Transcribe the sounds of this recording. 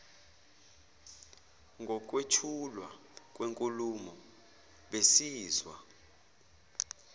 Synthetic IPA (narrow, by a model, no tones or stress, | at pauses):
ŋɡʱɔk̬ʼwet͡ʃʰulwa | k̬ʼweŋkʼulumɔ | ɓesiːzwa